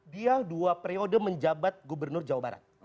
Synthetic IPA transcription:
bialduapeɾeodəməɲd͡ʒabat̪̚ɡubərnʊrd͡ʒawabaɾa̰t̪̚

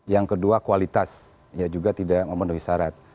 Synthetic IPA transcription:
jaŋkəduakualit̪as | jad͡ʒuɡat̪idak̚məmənuhisaɾat̪̚

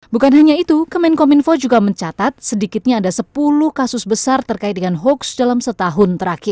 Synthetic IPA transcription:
bukanɦaɲait̪ukəmɛnkɔminfɔd͡ʒuɡaməɲt͡ʃat̪at̪̚sədikɪt̪̚ɲaːdasəpulʊhkasʊsbəsart̪ərkaɪt̪̚dəŋanɦɔksdalamsət̪aɦʊnt̪əɾakɪr

